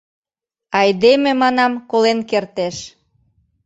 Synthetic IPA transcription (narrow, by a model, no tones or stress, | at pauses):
ɑjd̪emĕmɑnɑmkolenkert̪eʃ